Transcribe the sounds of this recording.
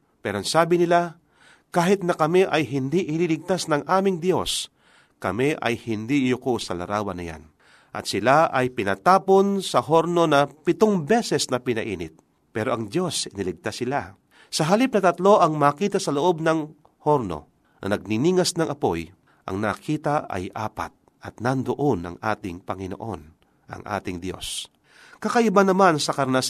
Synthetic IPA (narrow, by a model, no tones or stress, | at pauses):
pɛːɾonsaːbɪnɪla | kaːɦɪt̪̚nɐkɐmɛʔɐjɦɪnd̪iʔɪlilɪɡ̚t̪asnɐŋʔaːmɪŋd̪jo̞s | kɐmɛʔɐ̰jhɪnd̪ijʊkosɐlɐ̰ɾaːwɐnɐ̰ja̰n | ʔɐ̰t̪̚sɪlaʔɐjpɪnɐt̪aːponsɐɦo̞ɾno̞nɐpɪt̪oŋbɛsɛsnɐpɪnɐ̰ʔḭːnɪ̰t̪̚ | pɛːɾo̞ʔɐŋd̪jo̞sɪnɪlɪɡ̚t̪asɪla | sɐɦalip̚nɐt̪ɐt̪lo̞ʔɐŋmaːkiːt̪ɐsɐloʔo̞bnɐŋ | ho̞ɾno̞̰ | nʔɐ̰nɐɡ̚nɪniːŋɐsnɐŋɐpo̞̰j | ʔɐ̰ŋnɐːkʰiːt̪aɐ̰jʔaːpa̰t̪̚ | ɐt̪̚nɐnd̪oʔo̞nɐ̰ŋʔa̰ːt̪ɪŋpɐŋɪno̰ʔo̞̰n | ʔɐ̰ŋʔa̰ːt̪ɪŋd̪jo̞̰s | kɐkaʔɪbanɐmansɐkɐɾnas